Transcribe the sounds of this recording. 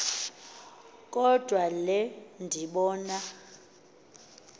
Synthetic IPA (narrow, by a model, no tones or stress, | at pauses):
kʼɔd̥ʱwalɛndʱiɓɔːna